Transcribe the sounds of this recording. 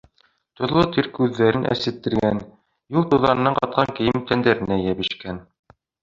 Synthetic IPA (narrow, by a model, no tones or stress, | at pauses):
t̪ŏðlˠot̪iɾkʉðːæɾɘnʔæ̰sɘ̆t̪ːɘ̆ɾɡæn | julˠt̪uðɑnɤ̆nɑɴqɑt̪̚qʰɑŋkɘ̆jɘmt̪ænd̪æɾɘ̆næjæβɘ̆ʃkæn